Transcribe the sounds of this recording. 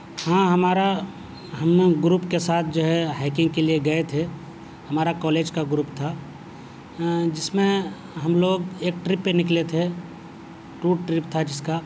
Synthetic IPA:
hãɦəmaːɾa | ɦəmɡɾuːpkesaːt̪̚ʰd͡ʒoːɦɛɦɛːkɪ̃ŋɡkelieɡɐet̪ʰe | ɦɐmaːɾakɔːleːd͡ʒkaɡɾuːpt̪ʰa | d͡ʒɪsmẽ | ɦəmloːɡeːk̚ʈɾɪpːenɪklet̪ʰe | ʈuːʈɾɪpt̪ʰad͡ʒɪska

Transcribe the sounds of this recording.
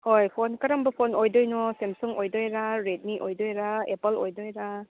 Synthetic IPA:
hojpʰonkɐɾɐmbɐpʰonojdojnɔsemsuŋojdojɾaɾet̚niʔojdojɾaepɐlojdojɾa

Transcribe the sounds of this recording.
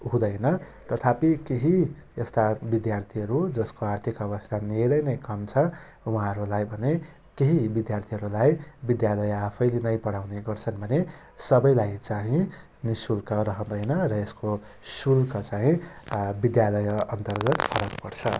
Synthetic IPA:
ɦũd̪ʌjnʌ | t̪ʌt̪ʰapikeɦiest̪abid̪jart̪ʰiɦʌɾud͡zʌskoart̪ʰikʌbʌst̪ʰaneɾʌjnʌjkʌmt͡sʰʌ | wuɦãʌɾulajbʱʌne | keɦibid̪jart̪ʰiɦʌɾulajbid̪jalʌjapʰʌjlenʌjpʌɽawneɡʌrt͡sʰʌnbʱʌne | sʌbʌjlajt͡saɦĩ | nisulkʌɾʌɦʌ̃d̪ʌjnʌrʌesko | sulkʌt͡saɦĩbid̪jalʌjʌnt̪ʌrɡʌt̪pʰʌɾʌkpʌrt͡sʰʌ̰

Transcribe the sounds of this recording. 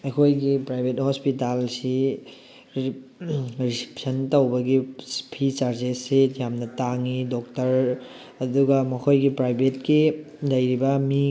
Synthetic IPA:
ejkʰojɡipɾajbʱet̚hospitalsi | ɾisi̥psɐntɐwbɐɡipʰit͡ʃaɾzesetjamnɐtaŋidok̚tɐɾ | ɐduɡɐmɐkʰojɡipɾajbʱetki | lɐjɾibɐmi

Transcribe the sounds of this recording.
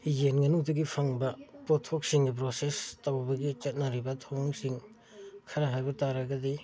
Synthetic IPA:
jenŋɐnuŋtɐɡipʰɐŋbɐpotʰok̚siŋɡip̬ɾosestɐwbɐɡit͡ʃɐt̚nɐɾibɐtʰoŋsiŋ | kʰɐɾɐɦajbɐtaɾɐɡɐdi

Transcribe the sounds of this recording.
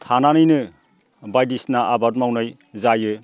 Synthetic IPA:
tʰananɯjnɯ | bajdisnaʔabat̚mawnaj | zajɯ

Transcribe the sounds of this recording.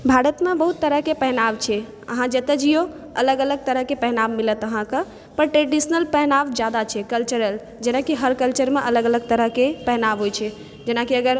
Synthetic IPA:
bʱaɾət̪mebəɦut̪ːəɾəɦkepɛɦnaʋt͡ʃʰɛ | ə̰ɦãd͡ʒet̪əd͡ʒijo | ə̰ləɡələɡ̚t̪əɾəɦkepɛɦnaʋmilət̪əɦãkə | pəɾʈɾeɖisnəlpɛɦnaʋd͡ʒjad̪at͡ʃʰɛkəlt͡ʃəɾəl | d͡ʒenakiɦəɾkəlt͡ʃəɾmeʔələɡələɡ̚t̪əɾəɦkepɛɦnaʋɦojt͡ʃʰɛ | d͡ʒenakiəɡəɾ

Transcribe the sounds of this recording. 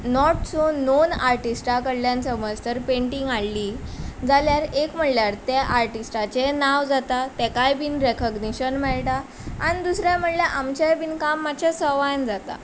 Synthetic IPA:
nɔʈsononaɾʈisʈakəɽljãnsəməd͡zt̪əɾpeɳʈiŋɡaɭːid͡zaljaɾekm̤əɽljaɾt̪jaʔaɾʈisʈat͡ɕenaʋd͡zat̪at̪ɛkajbinɾekəɡniɕənmɛɭʈa | anid̪usɾjam̤əɽljaʔamt͡ɕabinkamːat͡ɕasəʋajnd͡zat̪a̰

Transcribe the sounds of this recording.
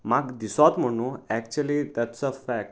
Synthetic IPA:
maɡd̪isat̪m̤əɽ̃ũɛkt͡ɕuəlid̪æʈsəfæk̚ʈ

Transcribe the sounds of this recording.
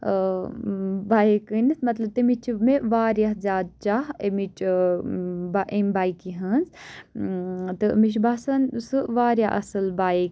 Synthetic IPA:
baikɨnismɐt̪lɐb̚t̪emit͡ʃʰmeʋaːɾjazʲaːd̪̚t͡ʃaɦemit͡ʃʰ | baʔembaikiɦɐnz | t̪ɨmiʃ̬basɐnsɨʋaːɾja̰ʔɐ̰sɨlbaik

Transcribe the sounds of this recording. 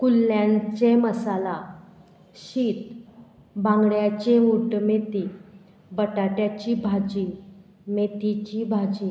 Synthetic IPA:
kulːjãɲt͡ɕeməsala | ɕit̪ | bãŋɡɽjat͡ɕeuʈmet̪i | bəʈaʈjat͡ɕibʱad͡ʑi | met̪it͡ɕibʱad͡ʑi

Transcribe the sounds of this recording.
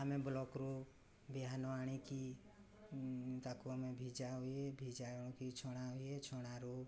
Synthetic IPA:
ɦəmẽblɔkɾo | biɦanoaɽ̃iki | t̪akuomẽbʱid͡ʒaɦuebʱid͡ʒãõkit͡ʃʰoɽ̃aɦuet͡ʃʰoɽ̃aɾu

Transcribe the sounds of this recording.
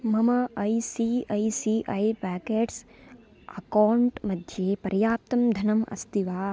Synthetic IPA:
mɐmɐɐjsiːɐjsiːʔɐjpæːkeːʈs | ɐ̰kaːwɳʈmɐd̪ʱjeːpɐɾjaːp̚t̪ɐmd̪ʱɐnɐmʔɐ̰st̪iʋaː

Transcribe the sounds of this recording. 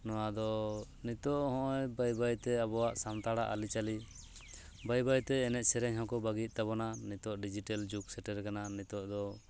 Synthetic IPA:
nɔwad̪ɔ | nit̪ɔʔhɔ̃ʔɔjbajbajt̪ɛabɔwaʔsamt̪aɽaʔalit͡ʃali | bajbajt̪ɛːnɛʔ̪̚ˀsɛɾɛɲɦɔ̃kɔbaɡit̪̚ˀt̪aβɔnanit̪ɔʔɖid͡ʒiʈɛld͡ʒuksɛʈɛɾkananit̪ɔʔd̪ɔ

